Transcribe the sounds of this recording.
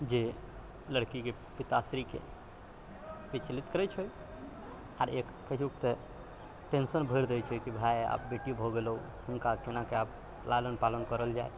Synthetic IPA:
d͡ʒe | ləɽkike | pit̪asɾikḛ | bit͡ʃlit̪kəɾɛt͡ʃʰoj | aɾek | kəɦukt̪e | ʈensənbʱəɪɾd̪ɛjt͡ʃʰəjkibʱaja̰pbeʈijubʱoɡelu | ɦunkakenakeap | lalənpalənkəɾəld͡ʒaj

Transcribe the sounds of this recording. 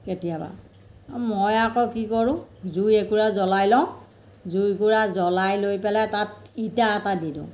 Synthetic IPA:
ketijaba̰ | mɔjakɔkikɔɹʊ̃zujekuɹazɔlajlɔʊ̃ | zujkuɹazɔlajlojpɛlɛtat̚itaːtadidʊ̰̃

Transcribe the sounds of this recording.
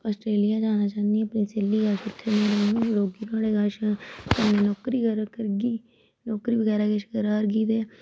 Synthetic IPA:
əːsʈɾeːlɪjaːd͡ʒaːnaːt͡ʃaːnd̪iəpniːseːlːiːɡəlʃɪt̪ʰːenẽlɛnũːɾoːɡiːnaːleːɡəlʃk̪əneːnɔːkɾiːkəɾkəɾɡiː | nɔːkɾiːbəɡɛːɾaːkɪʃkəɾaːɾɡiːd̪eː

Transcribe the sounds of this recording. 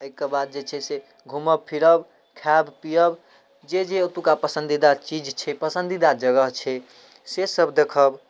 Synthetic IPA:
əjkebad̪̚d͡ʒet͡ʃʰɛse | ɡʱuməb̚pʰiɾəb | kʰabpijəb | d͡ʒed͡ʒeot̪ukapəsənd̪id̪at͡ʃid͡ʒt͡ʃʰɛpəsənd̪id̪ad͡ʒəɡəɦt͡ʃʰɛ | sesəbd̪ekʰəb

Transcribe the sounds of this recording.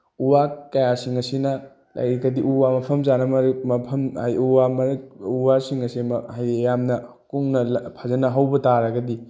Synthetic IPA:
uwakɐjasiŋɐsinɐ | la̰jɾɐɡɐdiʔuwamɐpʰɐmzanɐmɐɾmɐpʰɐma̰juwamɐɾuwasiŋɐsimɐhajɾijamnɐ | kuŋnɐlpʰazɐnɐɦɐwbɐtaɾɐɡɐdi

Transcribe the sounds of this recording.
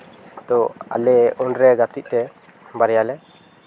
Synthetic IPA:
t̪ɔa̰lɛunɾɛɡat̪iʔ̚t̪ɛ | baɾjalɛ

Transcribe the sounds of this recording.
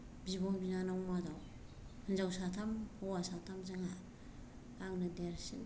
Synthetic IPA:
bibɔŋbinanawmadaw | hɯnzawsatʰamhawasatʰamzaŋa | aŋnɯdeɾsin

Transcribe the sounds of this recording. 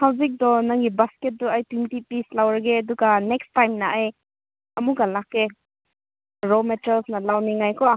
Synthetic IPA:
hawzik̚dɔnaŋɡibasket̚duajtwintipislawɾaɡeɐduɡanekstajmnaaj | ɐmuɡalakːe | ɾometalsnɐlawniŋajkʰɔ

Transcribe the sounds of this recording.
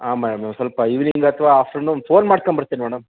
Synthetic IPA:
aːmɛːɽɐmeːmsɐlpɐiʋniŋɡɐt̪ʰʋaːfʈɐɾnufʰoːnmaːɽ̚koɳbɐɾt̪iːnimɛːɽɐm

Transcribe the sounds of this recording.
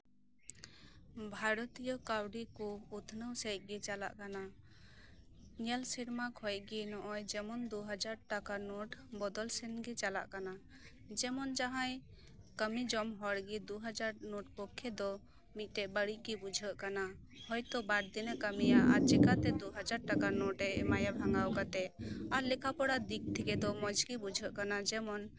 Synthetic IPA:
bʱaɾɔt̪ijɔkawɖikuut̪ʰnəwsejt̚ˀɡɛt͡ʃala̰ʔkana | ɲɛlsiɾmakʰɔj̚ɡinɔʔɔjd͡ʒɛmɔnd̪uɦad͡ʒaɾʈakanuʈbɔd̪ɔlsɛnɡit͡ʃala̰ʔkana | d͡ʒɛmɔnd͡ʒaɦãj | kəmid͡ʒɔmɦɔɽɡid̪uɦad͡ʒaɾnoʈ̚pɔkʰːɛd̪ɔ | mit̪̚ˀʈɛʔbəɽiɡibud͡ʒʱəʔkana | hɔjt̪ɔbaɽd̪inəkəmijaʔa̰t͡ʃɛkat̪ɛd̪uɦad͡ʒaɾʈakanɔʈɛʔmajabʱaŋɡawkat̪ɛaɾlɛkʰapɔɽad̪ik̚t̪ʰɛkɛd̪ɔmɔ̃d͡ʒɡibud͡ʒʱəʔkanad͡ʒɛmɔn

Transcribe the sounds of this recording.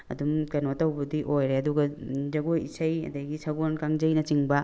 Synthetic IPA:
ɐ̰dumkɐnotɐwbɐdiʔojɾeɐduɡɐzɐɡojisɐjɐ̰dɐɡisʰaɡonkaŋzɐjnɐt͡ʃiŋbɐ

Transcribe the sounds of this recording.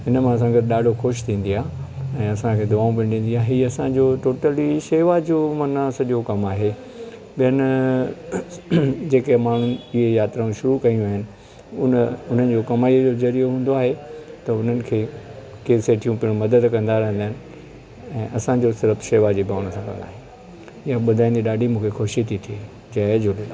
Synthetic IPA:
ɦɪnəmãɐs̬ãɡɐd̪ɪɗaːɖʱoxʊʃt̪ʰĩːn̆d̪iaːɛ̃ːɐsãkʰeːd̪ʊaːũp̬ĩɗĩːn̆d̪iaːɦiːɐsãd͡ʑoːʈoːʈəliʃeːʋad͡ʑoːmɐnəsɐʄokɐmaːɦe | ɓijənɪ | d͡ʑeːkemaːɳ̤ʊnɪ̆ɪɦejaːt̪ɾaũʃʊɾukɐijũaːɦɪnɪ̆ | ʊnʊn̤ənɪ̆d͡ʑoːkɐmaːiəd͡ʑoːzɐɾijoɦũːn̆d̪oaːɦet̪ɐʊn̤ənɪ̆kʰeː | keːseʈʰijũpiɽ̃umɐd̪əd̪kɐ̃nd̪aɾɐ̃ɦɪ̃nd̪aːɦɪnɪ̆ | ɛ̃ːʔɐsãd͡ʑosɪɾəfʃeːʋad͡ʑiːbʱaːʋɽ̃sãkɐ̰̃nd̪a̰ːɦe | jaɓʊd̪ʱaːĩnd̪iɗaːɖʱimũːkʰexoʃit̪ʰit̪ʰie | d͡ʑaːd͡ʑolla

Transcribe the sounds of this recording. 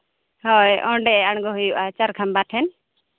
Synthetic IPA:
hɔjɔ̃ɖɛaɳ̃ɡɔɦujuʔat͡ʃaɾkʰambaʈʰɛn

